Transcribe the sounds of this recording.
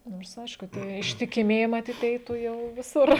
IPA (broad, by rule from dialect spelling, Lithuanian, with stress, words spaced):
ˈnoːrs ˈɐɪʃkʊ ˈtʲiɛ ɪʃʲtʲɪkʲɪˈmʲiɛjɪ mɐˈtʲiːt ˈɛɪtuː ˈjɛʊ ʋʲɪˈsʊr